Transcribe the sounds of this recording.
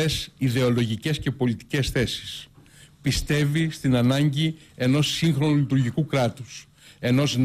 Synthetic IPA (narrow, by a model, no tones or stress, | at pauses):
esiðe̞o̞lo̞ʝice̞sce̞po̞lit̪i̥ce̞sθe̞si̥s | pist̪e̞vist̪inɐnɐɲɟi | e̞no̞sːiŋxɾo̞nulit̪uɾʝikukɾɐt̪us | e̞no̞zn